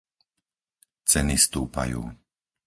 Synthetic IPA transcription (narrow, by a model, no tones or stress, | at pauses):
t͡sɛnist̪uːpa̰jṵː